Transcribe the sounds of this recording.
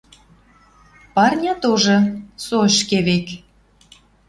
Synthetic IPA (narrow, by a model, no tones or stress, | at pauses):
pɑrnʲɑt̪oʒɤ̆soʃkeβek